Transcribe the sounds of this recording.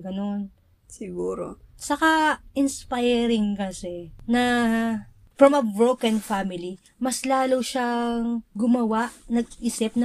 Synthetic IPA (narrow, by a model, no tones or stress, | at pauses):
ɡɐno̞n | sɪɡuːɾo̰sɐkaʔɪnspajɾɪŋkɐsɛnɐ | fɹɐmɐbɹowkɐnfamɪli | mɐslaːlowʃaŋɡʊmɐwaʔnɐɡ̚iːsɪp̚nɐ